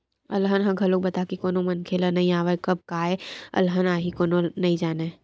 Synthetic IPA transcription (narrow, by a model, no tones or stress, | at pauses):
ɐlɦənɦɐ̃ɡʱɐlok̚bɐt̪akikoːnomənkʰeːlənɐĩaːʋekɐb̚kaːeɐ̰lɦənaːɦikoːnonɐĩd͡ʒaːneː